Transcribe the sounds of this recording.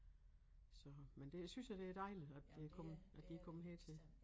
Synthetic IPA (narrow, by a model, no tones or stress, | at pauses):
sɒ̽mend̥e̝æsynsjad̥e̝æd̥ɑ̈ɪliðˠæd̥d̥e̝ækʰɒ̽mʔæd̥iækʰɒ̽məɦeːt͡sʰe̝l